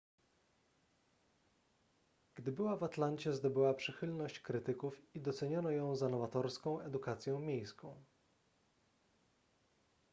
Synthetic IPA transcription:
ɡ̥d̪ɘbɘwavat̪lant͡ɕɛzd̪ɔbɘwapʂɘxɘlnɔɕt͡ɕkɾɘt̪ɘkufid̪ɔt̪sɛɲɔnɔjɔ̃w̃zanɔvat̪ɔɾskɔ̃w̃ɛd̪ukat̪sʲjɔ̃w̃mʲjejskɔ̃w̃

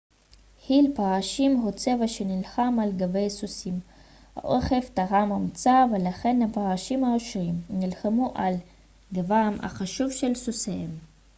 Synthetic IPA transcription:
hilpaʁaʃimɦut͡se̞vaʃenilχamalɡave̞jsusim | ha̰ʔoχeftaʁamamt͡savelaχe̞nhapaʁaʃimaoʃʁimnilχamuʔal | ɡavama̰χaʃuvʃelsusehem

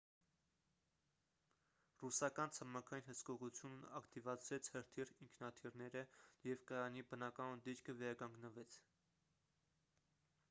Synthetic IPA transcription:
rusɑkɑnt͡sʰəmɑkʰɑjinhəskɔʁut͡sʰjunɑ̰kt̪ivɑt͡sʰɾɛt͡sʰhəɾt̪ʰiriŋkʰnɑt̪ʰirnɛɾəjɛvkəɑnibənɑkɑnnd̪it͡ʃkʰəvɛɾɑkɑŋɡnəvɛt͡sʰ

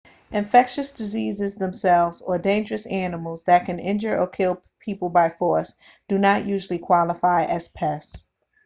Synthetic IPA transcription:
ɨ̃ɱfɛkʃɨsd̥ɨzizɨzðə̃msɛlˠvzə˞dẽɪ̃nd͡ʒə˞ɨsænəml̩ˠzðɨt̚kʰɨ̃nɪ̃nd͡ʒə˞ʔəkʰɪlˠ | pʰipl̩ˠbaɪfɔɹsd̥ɨnəʔjʉʒl̩ˠikʰw̥ɑlˠəfaɪʔɨz̥pʰɛs

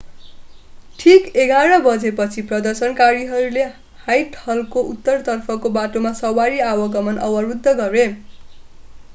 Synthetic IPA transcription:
ʈʰikeɡʱaɾʌbʌd͡zepʌt͡sʰiprʌd̪ʌrsʌnkaɾiɦʌɾule | hajʈʰʌlkoʔut̪ːʌrt̪ʌrpʰʌkobaʈomasʌwaɾiawʌɡʌmʌnʌ̰wʌrud̪ʱːʌɡʌɾe

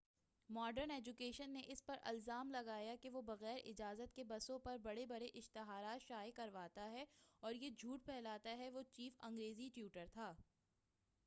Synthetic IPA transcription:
mɔːɖəɾnɛːd͡ʒukeːʃənːeʔɪspɐɾʔɐ̰lzaːmlɐɡaːjakeʋobɐɣɛːɾʔɪd͡ʒaːzət̪kebɐsõpɐɾbɐɽebɐɽeʔɪʃt̪ɪɦaːɾaːt̪ʃaːjekɐɾʋaːt̪aɦɛɔːɾjed͡ʒʱuːʈ̚pʰɛːlaːt̪aɦɛʋoːt͡ʃiːfɐ̃ŋɡɾeːziʈjuːʈəɾt̪ʰaː

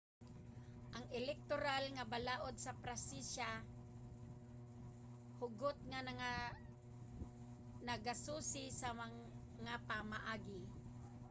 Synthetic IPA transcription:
ʔaŋɛlɛk̚t̪oɾalŋabalaːʔod̪̚sapɾasisa | hʊɡʊt̪̚ŋanaŋa | naɡasuːsɪsama | ŋapamaʔaːɡɪ

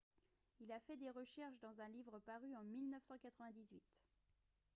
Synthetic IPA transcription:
ilafɛd̪eʁəʃɛʁʃd̪ɑ̃zɛ̃livʁəpaʁyɑ̃milnœfsɑ̃kat̪χəvɛ̃d̪izɥit̪

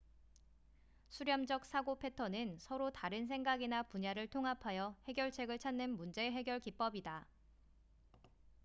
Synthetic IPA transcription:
sʰuɾjʌmd͡ʑʌk̚s͈ʰaɡopʰe̞tʰʌnɯnsʰʌɾotaɾɯns̬ʰe̞ŋɡaɡinapuɲaɾɯɭtʰoŋɦapʰajʌhe̞ɡjʌɭt͡ɕʰe̞ɡɯɭt͡ɕʰanːɯnmund͡ʑe̞ɦe̞ɡjʌɭkip͈ʌbida

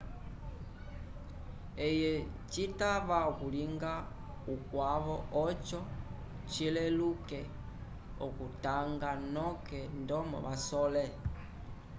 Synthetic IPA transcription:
ɛjɛt͡ʃitaβaɔkuliŋɡa | ukwaβɔɔt͡ʃɔ | t͡ʃilɛlukɛ | ɔkutaŋɡanɔkɛndɔmɔ̰βasɔlɛ

